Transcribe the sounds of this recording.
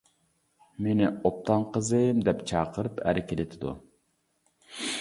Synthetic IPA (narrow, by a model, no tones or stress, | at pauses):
menɪop̚t̪ʰɑnqəzɨmd̪ɛpt͡ʃʰɑːqʰəɾɨpʰæ̰ɾɪkʲelɪt̪ʰɪd̪ṵ